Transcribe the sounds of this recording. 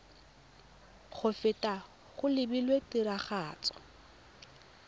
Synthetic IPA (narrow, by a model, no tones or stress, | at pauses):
χʰʊfɪtʼa | χʊlɪbilwetʼɪɾaχaːt͡sʼɔ̥